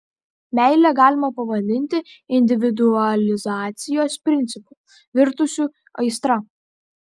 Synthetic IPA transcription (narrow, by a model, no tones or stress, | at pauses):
mʲɛˑɪlʲæɡɑːlʲɪmɐpɐʋɐd̪ʲɪnʲt̪ʲɪɪnʲd̪ʲɪʋʲɪd̪ʊɐlʲɪzɑːt̪sʲɪjoːspʲɾʲɪnʲt̪sʲɪpu | ʋʲɪɾt̪ʊsʲu | ɐɪst̪ɾɐ